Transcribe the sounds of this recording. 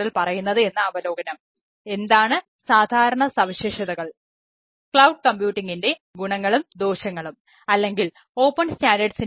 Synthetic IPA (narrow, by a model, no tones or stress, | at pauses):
ilpɐrɐjunːɐðɨe̞nːɐɐʋɐlo̞ːɡɐnɐm | e̞nd̪aːɳɨ | saːd̪ʱaːɾɐɳɐsɐʋiɕeːʂɐðɐɣɐɭ | kɭɐwɖ̚kɐmbjuːʈːiŋɡinde̞ | ɡuɳɐŋːɐɭumd̪o̞ːɕɐŋːɐɭum | ɐlːe̞ŋɡil | o̞ːpːɐnstaːndɐɖsin